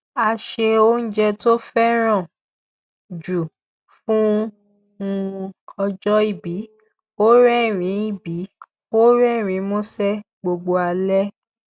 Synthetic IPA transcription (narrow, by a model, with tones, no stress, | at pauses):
a˧ʃe˧o˦n̩˦d͡ʒɛ˧to˦fɛ˦ɾ̃ã˦˨ | d͡ʒu˨ | fũ˦ | ũ˧ɔ˧d͡ʒɔ˦i˦˨bi˨˦ | o˦ɾɛ˦˨ɾ̃ĩ˨˦i˦˨bi˨˦ | o˦ɾɛ˦˨ɾ̃ĩ˨˦mõ˦sɛ˦ | ɡ͡bo˧ɡ͡bo˧a˧lɛ˦